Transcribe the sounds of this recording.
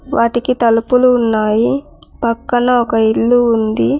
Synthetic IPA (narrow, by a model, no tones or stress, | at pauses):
ʋʔaːʈikit̪ɐlupuluːnːaːji | pɐkːɐnɐɔkɐiɭːuːnd̪i